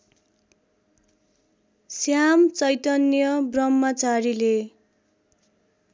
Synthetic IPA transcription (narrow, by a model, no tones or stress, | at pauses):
sjamt͡sʌjt̪ʌnjʌbrʌmːʌt͡saɾile